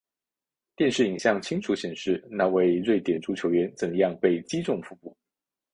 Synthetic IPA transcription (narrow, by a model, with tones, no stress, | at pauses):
t̪jɛ˥˧nʂɻ̩˥˩i˨˩ŋɕjɑ˥˩ŋt͡ɕʰi˥ŋʈ͡ʂʰu˧˥ɕjɛ˨˩nʂɻ̩˥˩na˥˧we˥˧ɪɻwe˥˩ɪt̪jɛ˨˩nʈ͡ʂu˧˥t͡ɕʰjo˧˥ʊɥɛ˧˥nt͡sə˨˩ŋjɑ˥˧ŋpe˥˩ɪt͡ɕi˥ʈ͡ʂʊ˥˩ŋfu˧˥pu˥˩